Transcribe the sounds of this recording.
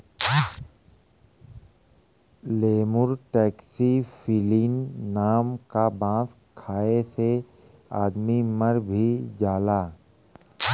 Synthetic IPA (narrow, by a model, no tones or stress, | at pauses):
leːmʊɾʈɛːksifʰɪlinːaːmkabãːs | kʰaːese | aːd̪miməɾbʱid͡ʒaːlaː